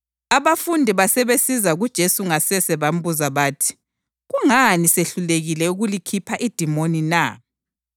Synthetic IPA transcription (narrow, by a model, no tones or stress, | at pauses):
aβafundʱiβasɛβesizaɣud̥ʒ̥ʱesuŋasɛsɛβam̩buzaβaːtʰi̥ | ɣuŋaniseɬuleɣilɛuɣulikʰipʰaʔid̥ʱimonina